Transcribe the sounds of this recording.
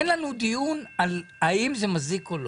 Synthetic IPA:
nlanud̪ijunalaimzemazikol

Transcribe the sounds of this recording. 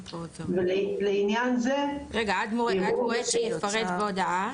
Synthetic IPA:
veleinjanzeʁeɡaad̪moʁeadmoʁeʃejiffaʁet̪beodaa

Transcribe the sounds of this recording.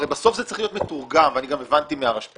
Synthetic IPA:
ejbaso̞fzett͡saʁiχlijo̞t̪metuʁɡamveaniɡamevant̪imeaʁaʃ

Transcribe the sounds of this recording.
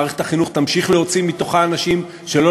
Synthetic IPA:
ʁeχetaχinuχt̪amʃiχleo̞t͡simit̪o̞χaːnaʃim | ʃelo̞

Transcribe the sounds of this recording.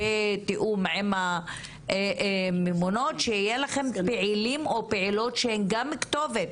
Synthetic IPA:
et̪iʔumʕema | memono̞tʃeijelaχe̞mpeʕilimo̞peʕilo̞tʃehenɡamːikt̪o̞vet̚

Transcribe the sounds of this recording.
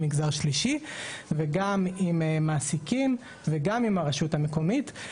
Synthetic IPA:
miɡzaʁʃliʃiveɡamimmaːsikim | veɡamimaʁeʃutameko̞mit

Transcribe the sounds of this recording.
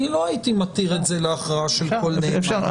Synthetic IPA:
ilo̞ait̪imat̪iʁetze̞leaχʁaaʃe̞lko̞lne

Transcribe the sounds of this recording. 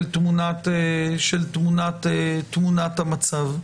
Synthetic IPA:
lt̪munat̪eʃelt̪munat̪et̪munat̪hamat͡sav

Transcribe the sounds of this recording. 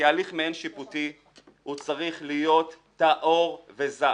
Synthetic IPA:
aːliχmeenʃiputi | hut͡saʁiχlijo̞t̪ː | aʔoʁveza

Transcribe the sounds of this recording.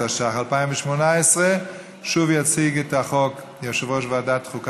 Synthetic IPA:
aʃaχalˠpaɪmɪʃmunaɪsʁə | ʃuviat͡siɡətaχɔk | jɛʃəvɔʃvadatχʊk

